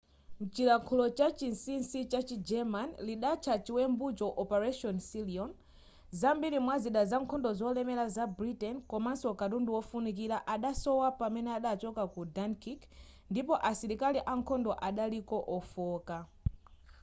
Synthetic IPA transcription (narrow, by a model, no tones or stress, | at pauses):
n̩t͡ʃiɾakʰulɔt͡ʃat͡ʃinsinsit͡ʃat͡ʃid͡ʒɛmanliɗat͡ʃʰat͡ʃiwɛmbut͡ʃɔʔɔpɛɾaʃɔnsiliɔn | zambiɾimwaziɗazaŋkʰɔndɔzɔlɛmɛɾazabɾitɛnkɔmansɔkatunduwɔfunik̬iɾaʔaɗasɔwapamɛnɛaɗat͡ʃɔkakudankik | ndipɔʔasiɾikaliʔaŋkʰɔndɔʔaɗalikɔʔɔfɔːka